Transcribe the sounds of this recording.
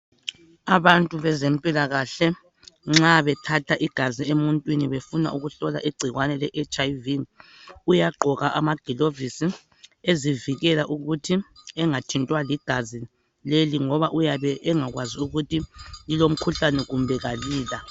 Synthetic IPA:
aβantʼuβɛzɛmpʼilaɣaɬɛ | ŋ͡ǁaβɛtʰatʰaʔiɡ̥ʱaziemuntʼwiniβefuna̰ʔuɣuɬɔla̰ʔiɡ͡ǀʱiɣwanɛlɛʔɛt͡ʃʼaivi | ujaɡ͡ǃʱɔɣaʔamaɡ̥ʱilovisi | eziviɣɛlaʔuɣutʰiɛŋatʰintʼwaliɡ̥ʱazi | leliŋɔβaʔujaβɛʔɛŋaɣwaziuɣutʰililom̩kʰuɬanɛɣumbʱɛɣaliːla

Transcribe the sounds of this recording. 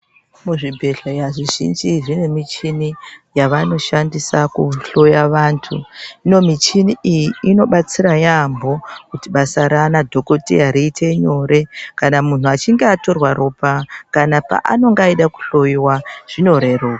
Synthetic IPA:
muʐibʱe̞ɬajaʐiʒḭnd͡ʒiʐine̞mit͡ʃinijaʋano̞ʃandisakuɬo̞jaʋaːntʰuino̞mit͡ʃiniʔijiːno̞ɓat͡siɾajambo̞kutiɓasaɾanadʱo̞ko̞tḭaɾiːtʰe̞ɲo̞ɾe̞kanamun̤uat͡ʃiŋɡeato̞rwaɾoːpakanapa̰ʔa̰no̞ŋɡaiɗaku̥ɬo̞jiwaʐ̥ino̞ɾeroːka

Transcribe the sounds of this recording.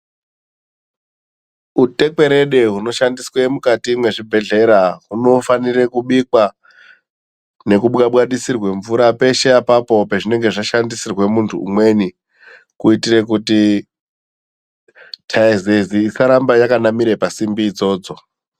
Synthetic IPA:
ute̞kwe̞ɾe̞ɗe̞ɦuno̞ʃandiswe̞mukatimwe̞ʐibʱe̞ɮe̞ɾaɦuno̞fanire̞kuɓikwa | ne̞kuɓɣaɓwaɗisirwe̞ɱvuɾape̞ʃeapapo̞peʐine̞ŋɡe̞ʐaʃandisirwe̞muntʰṵṵmwe̞ni | kuitire̞kuti | tʰaizeziːsaɾambajakanamiɾepasimbiːd͡zo̞ːd͡zo̞

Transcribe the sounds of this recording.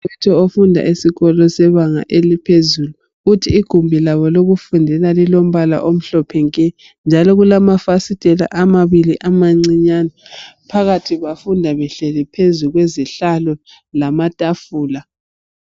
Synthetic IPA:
ɛtʰɔofundʱa̰ʔisiɣɔlɔsɛβaŋa̰ʔelipʰezulu | utʰiːɡ̥ʱumbʱilaβɔloɣufundʱɛlalilom̩βala̰ʔom̩ɬɔpʰɛŋkʼɛ | nd͡ʒʱalɔɣulamafasitʼɛla̰ʔamaβiliʔamaŋ͡ǀiɲanɔpʰaɣatʰiɣafundʱaβɛɬɛlɛpʰezuɣweziɬalɔ | lamatʼafuːla

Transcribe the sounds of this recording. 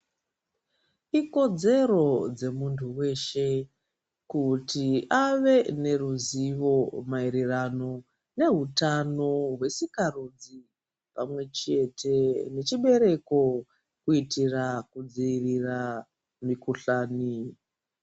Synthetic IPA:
iko̞d͡ze̞ɾo̞d͡ze̞muntʰuwe̞ʃe̞ | kutiaʋe̞ne̞ruziʋo̞maiɾirano̞ | ne̞ɦutano̞ɦwe̞sikarud͡zi | pamwe̞t͡ʃe̞tʰe̞ne̞t͡ʃiɓe̞ɾe̞ko̞ | kuitirakud͡ziirira | mikuɬaːni

